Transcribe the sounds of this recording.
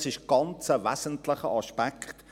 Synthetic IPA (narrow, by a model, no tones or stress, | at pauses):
sɪʃɡ̥ɑnt͡səʋæsəntlɪχə̰ɑʃpækχt